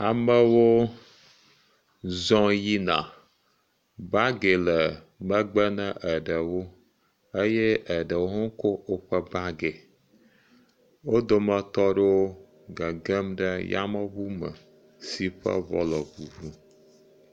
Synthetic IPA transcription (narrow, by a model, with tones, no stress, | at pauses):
a˨mə˦wo˦ | zɔ̃˦ji˦nã̰˨ | ba˦ɡe˨lə˨ | mə˦ɡ͡bə˦nə̃˦ʔə˨ɖə˨wo˦ | ə˦jɛ˦ə˨ɖə˨wo˦ɦo˦ŋ˦ko˦wo˦ɸə˦ba˦ɡe˨ | wo˦d̪o˦mə̃˨t̪ɔ˦ɖo˦ | ɡə˨ɡə˦mɖə˦ja̰˦mə˦ɣu˦mə̰˨ | si˨ɸə̰˦vɔ̰˦lɔ˨bu˨vu˦